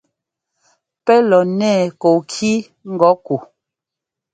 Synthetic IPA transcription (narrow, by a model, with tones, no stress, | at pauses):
pɛ˦lɔ˨nɛː˦˨ko˨kʰi˦ | ŋ̩˦ɡɔ˨˦ku˨